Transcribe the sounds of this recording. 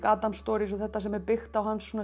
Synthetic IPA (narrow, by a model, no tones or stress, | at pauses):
kaːt̪amst̪ɔːɾisɔθɛht̪ːasɛmɛɾpɪxt̪awhansːuna